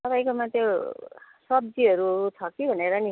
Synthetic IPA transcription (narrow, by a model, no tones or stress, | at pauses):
t̪ʌpaĩkomat̪jo | sʌb̚d͡ziɦʌɾut͡sʰʌkibʱʌneɾʌni